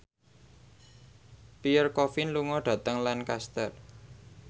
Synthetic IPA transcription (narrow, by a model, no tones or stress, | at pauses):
piərkɔfɪnluŋɔɖ̪̥ä̤t̪əŋlankast̪ər